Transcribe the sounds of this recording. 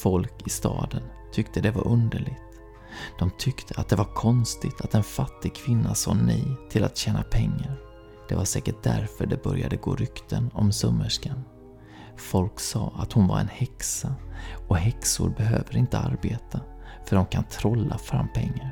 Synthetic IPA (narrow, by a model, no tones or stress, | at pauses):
fɔlkɪst̪ɑːd̪ən | t̪ʰʏkt̪əd̪ɛvaɾʔɵnd̪əɭɪɡt̪ | d̪̥ɔmt̪ʰʏkt̪ʰəat̪̚d̪ɛvaɾkʰɔnst̪ɪt̪ʰat̪ɛnfat̪ːɪɡ̚kʰvɪnːasɑːnɛjt̪ʰɪlat̪ɕɛːnapʰɛŋːaɾ | d̪̥ɛvaʂɛːkəʈ̚d̪æɾfœɖɛbœɾjad̪əɡo̰ːɾʏkt̪ʰənɔmsɵmːəʂkan | fɔlksɑːat̪hʊnvaɾɛnhɛksaɔɦɛksʊ̰ɾbɛɦøːvəɾɪnt̪əaɾbeːt̪ʰa | fœɖɔmkʰant̪ʰɾɔlːafɾamːpʰɛŋːaɾ